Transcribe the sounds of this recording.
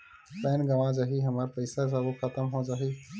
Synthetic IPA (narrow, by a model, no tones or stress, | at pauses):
pɛːnɡɐʋãd͡ʒaːɦiɦɐmaːɾpɐɪsasaʋoxʰət̪əmɦod͡ʒaːɦiː